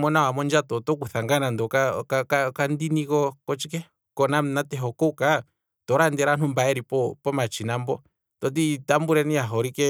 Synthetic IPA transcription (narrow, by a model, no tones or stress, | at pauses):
mɔnãwamɔnd͡ʒat̪ɔt̪ɔk̬uθaŋɡanãnd̪ɔkakakakand̪inĩkɔkɔt͡ʃikɛ | kɔnamnat̪ɛɦɔkouka | t̪ɔɾand̪ɛɾan̥umbaɛɾipɔpɔmat͡ʃinãmbɔ | t̪ɔt̪̬it̪ambuɾɛnĩaɦoɾike